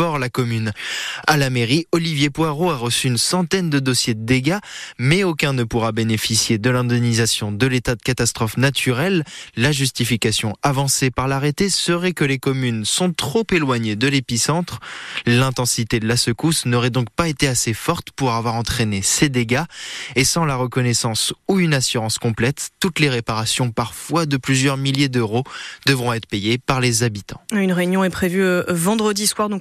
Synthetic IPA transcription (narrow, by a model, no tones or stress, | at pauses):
ɔʁlakɔmynalameʁiɔlivjepwaʁoaʁəsyːnsɑ̃t̪ɛnd̪əd̪ɔsjed̪əd̪eɡamɛokʲɛ̃nəpuʁabenefisjed̪əlɛ̃d̪ɛnizasjɔ̃d̪əlet̪ad̪əkat̪ast̪χɔfnat̪ʰyʁɛlːaʒyst̪ifikasjɔ̃avɑ̃sepaʁlaʁet̪esəʁɛkəlekɔmynsɔ̃t̪χopelwaɲed̪əlepisɑ̃t̪χlɛ̃t̪ɑ̃sit̪ed̪əlasəkusnɔʁɛd̪ɔ̃k̚paet̪easefɔʁt̪puʁavwaʁɑ̃t̪χenesed̪eɡaesɑ̃laʁəkɔnɛsɑ̃suynasyʁɑ̃skɔ̃plɛt̪ːut̪leʁepaʁasjɔ̃paʁfwad̪əplyzjœʁmiljed̪øʁod̪̥əvʁɔ̃ɛt̪χəpejepaʁlezabit̪ɑ̃ynʁeynjɔ̃ɛpχevyvɑ̃d̪ʁəd̪iswaʁd̪ɔ̃k